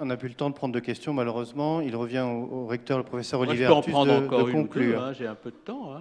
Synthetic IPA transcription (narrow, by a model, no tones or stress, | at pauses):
ɔ̃napylət̪ɑ̃d̪əpχɑ̃d̪ʁd̪əkʲɛst̪jɔ̃maləʁøzmɑ̃ilʁəvjɛ̃ooʁɛk̚t̪œʁləpχɔfesœʁɔlivɛøɑ̃t̪yχɑ̃d̪ʁɑ̃kɔdəʁykɔ̃klyːʁɛ̃ʒeɛ̃pød̪ət̪ɑ̃ɛ̃